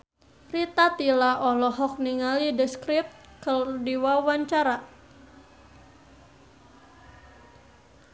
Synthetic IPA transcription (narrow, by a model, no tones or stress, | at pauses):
rit̪at̪ilaʔɔlɔɦɔk̚niŋalidəskɾɪp̚t̪̚kərdiwawaɲt͡ʃaɾa